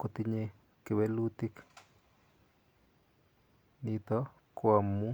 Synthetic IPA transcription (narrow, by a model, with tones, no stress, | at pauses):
ko˨t̪i˦ɲe˦ | ke˨we˦lu˦t̪i˦k | nit̪ɔ | kwamːu˦